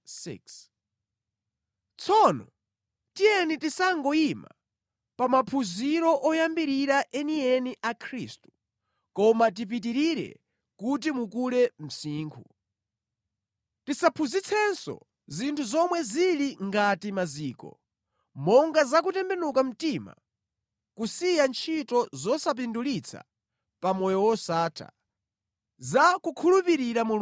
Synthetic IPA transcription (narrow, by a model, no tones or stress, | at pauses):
sḭks | t͡sʰɔnɔ | tijɛnitisaŋɡɔima̰ | pamapʰuziɾɔʔɔjambiɾiɾaʔɛniɛniʔakʰɾiːstu̥ | kɔmat̬ip̬itiɾiɾɛ̰ | kut̬imukuɾɛm̩siːŋkʰu | tisapʰuzit͡sʰɛnsɔ̰ | zintʰuzɔmwɛziliŋɡatimaziːkɔ̰ | mɔŋɡazak̬utɛmbɛnukam̩tima̰ | kusijant͡ʃʰitɔzɔsap̬indulit͡sʰa̰ | pamɔjɔwɔsaːtʰa̰ | zakukʰulupiɾiɾamu